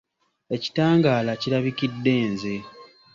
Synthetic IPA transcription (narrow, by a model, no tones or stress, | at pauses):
e̞ci̥taːŋɡaːlaciɾaβikidːe̞ːnze̞